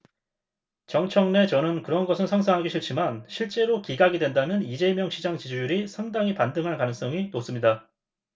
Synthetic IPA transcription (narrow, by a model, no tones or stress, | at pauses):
t͡ɕʌŋt͡ɕʰʌŋne̞t͡ɕʌnɯnkɯɾʌnɡʌsʰɯnsʰaŋs̬ʰaŋɦaɡiɕʰiɭt͡ɕ͈ʰimanɕʰiɭt͡ɕ͈e̞ɾokiɡaɡidwe̞ndamjʌnid͡ʑe̞mjʌŋɕʰid͡ʑaŋt͡ɕid͡ʑujuɾisʰaŋdaŋipandɯŋɦankanɯŋs͈ʌŋinos͈ɯmɲida